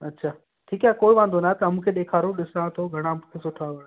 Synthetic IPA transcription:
ɐtːɕʰaː | ʈʰiːkaːekoːiʋãːnd̪onaɦɛt̪ɐɐmũːkʰeɗeːkʰaːɾoɗɪsɽãt̪ʰoɡʱɐɽ̃amũkʰesʊʈʰaʋɐɽ̃

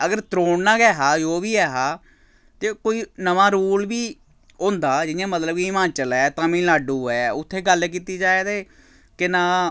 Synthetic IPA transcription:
əɡəɾt̪ɾoːɳnãːɡɛːɦaːd͡ʒoːbiːɛːɦaː | t̪eːkoːiːnəʋãːɾuːlbiː | õːnd̪aːd͡ʒɪjãːmət̪ləbɡimãːt͡ʃəlɛːt̪ãːmĩːlaːɖuːɛːʊt̪ʰːeːɡəlk̬iːt̪iːd͡ʒaːeːd̪eː | kɪnãː

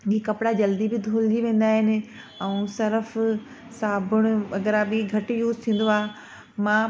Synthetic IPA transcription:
ikɐpɪɽad͡ʑɐld̪ibɪd̪ʱoːld͡ʑiʋẽːn̆d̪aːɦɪnɪ̆ | ɛ̃ũsɐɾəf | saːbʱʊɽ̃ʊ̆ɐɡəɾabɪɡʱɐʈɪjuːzt̪ʰĩːn̆d̪oaː | mãː

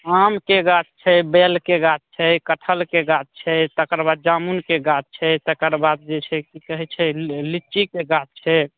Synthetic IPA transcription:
amkeɡat͡ʃt͡ʃʰɛbelkeɡat͡ʃ̚t͡ʃʰɛkəʈʰəlkeɡat͡ʃ̚t͡ʃʰɛt̪əkəɾbad̪̚d͡ʒamunkeɡat͡ʃ̚t͡ʃʰɛt̪əkəɾbad̪̚d͡ʒet͡ʃʰɛkikəɦɛt͡ʃʰɛlit͡ʃikeɡat͡ʃ̚t͡ʃʰɛ

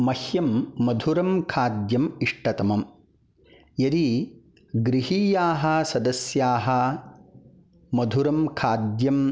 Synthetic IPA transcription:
mɐhjɐmːɐd̪ʱuɾɐmkʰaːd̪jɐmiʂʈɐt̪ɐmɐm | jɐɾi | ɡɾiɦiːjaːɦɐsɐd̪ɐsjaːɦɐ̆ | mɐd̪ʱuɾɐmkʰaːd̪jɐm

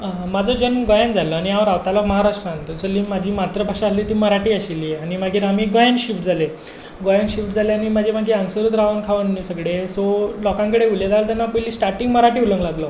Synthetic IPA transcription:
mad͡zɔd͡ʑənɡɔjand͡zalɔañijaʋəɾaʋt̪alɔməɦaɾasʈãŋt̪ɔsəliːmad͡ʑʱiːmat̪ɾəbʱaʂaasliːt̪iːməɾaʈiːaɕiljeaɽimaɡʱiːɾɦamiːɡɔjanɕifʈd͡zʱale | ɡɔjanɕifʈd͡zʱaleañimad͡ʑʱemaɡʱiəŋɡsəɾut̪ɾaʋənkʰaʋənniːsəɡɽesolɔkãŋkəɽeuljad͡z̪alt̪janːapəɦiliːsʈaɾʈĩŋɡməɾaʈiːuləŋɡlaɡlɔ

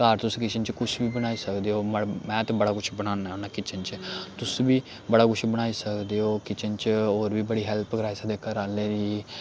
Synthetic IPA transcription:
kaːɾt̪ʊskɪt͡ʃənt͡ʃkʊt͡ʃʰbiːbəɽ̃aːiːsəkd̪eːoːmmɛ̃ːt̪ebəɽaːkʊt͡ʃʰbəɽ̃aːnaːonãːkɪt͡ʃənt͡ʃət̪ʊsbiː | bəɽaːkʊt͡ʃʰbəɽ̃aːiːsəkd̪eːoːkɪt͡ʃənt͡ʃoːɾbiːbəɽiːɦɛlpɡɾaːsd̪eːkəɾaːlẽːd̪iː

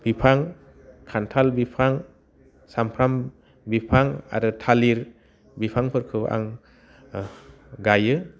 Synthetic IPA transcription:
b̥ipʰaŋ | kʰantʰalbipʰaŋ | sampʰɾam | bipʰaŋa̰ɾɯtʰaliɾ | bipʰaŋpʰɯɾkʰɯʔa̰ŋ | ɡajɯ

